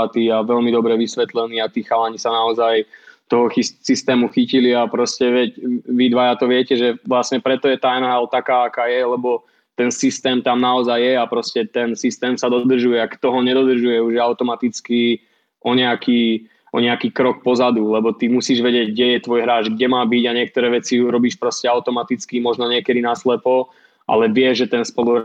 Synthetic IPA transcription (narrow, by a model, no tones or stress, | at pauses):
at̪iːaʋɛlmid̪ɔbɾɛʋisʋɛt̪lɛniːat̪iːxalaɲisanaɔzajt̪ɔɦɔxisist̪ɛːmuxiciliapɾɔscɛʋɛcʋid̪ʋajat̪ɔʋɪɛcɛʒɛʋlasɲɛpɾɛt̪ɔjɛt̪aɛnaɛlt̪akaːakaːjɛlɛbɔ | t̪ɛnsist̪ɛːmt̪amnaɔzajːɛapɾɔscɛt̪ɛnsist̪ɛːmsad̪ɔd̪r̩ʒujɛakt̪ɔɦɔɲɛd̪ɔd̪r̩ʒujɛuʒaʊt̪ɔmat̪it͡ski | ʔɔɲɛaki | ʔɔ̰ɲɛakiːkɾɔk̚pɔzad̪ulɛbɔt̪imusiːʒʋɛɟɪɛɟɡɟɛjɛt̪ʋɔjɦɾaːd͡ʒɡɟɛmaːbiɟaɲɪɛk̚t̪ɔɾɛːʋɛt͡siuɾɔbiːʃpɾɔscɛaʊt̪ɔmat̪it͡skimɔʒnɔɲɪɛkɛd̪inaslɛpɔ | ʔa̰lɛʋɪɛʒɛt̪ɛnspɔluɦɾ